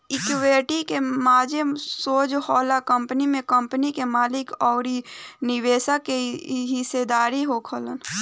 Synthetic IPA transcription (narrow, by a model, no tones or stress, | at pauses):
ɪkweːʈikemaːd͡ʒəmsoːd͡ʒhɔːlakə̃mpnimẽkə̃mpənikemaːlɪkɔːɾinɪweːsakeɦɪsed̪aːɾiɦokʰələn